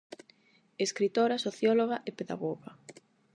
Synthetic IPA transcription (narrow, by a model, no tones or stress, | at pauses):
eskɾit̪oɾɐsoθjɔloɣaʔepeða̰ɣoɣa